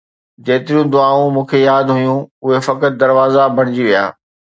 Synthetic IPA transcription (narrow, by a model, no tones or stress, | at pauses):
d͡ʑeːt̪ɪɾijũd̪ʊaːũmũːkʰejaːd̪ɦʊjũʊɦefɐkət̪̚d̪ɐɾʋaːzabʱɐɽ̃ɪd͡ʑiʋija̰ː